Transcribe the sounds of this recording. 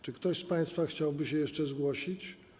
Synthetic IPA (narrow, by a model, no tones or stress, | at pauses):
t͡ʂɘkt̪ɔɕspaj̃st̪faxt͡ɕawbɘɕɛjɛʂt͡ʂɛzɡwɔɕit͡ɕ